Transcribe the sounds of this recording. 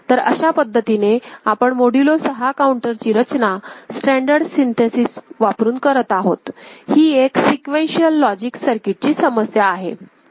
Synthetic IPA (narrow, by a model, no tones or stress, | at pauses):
t̪əɾə̰ɕapəd̪ʱːət̪ineapəɳmoɽilosəɦakauɳʈəɾt͡ɕiːɾət͡ɕnasʈæɳɖəɾɽsint̪ʰesisʋapɾuːnkəɾət̪aɦot̪hiːeksikʋẽnɕiəlːɔd͡ʑiksəɾkiʈ̚t͡ɕiːsəməsjaːɦe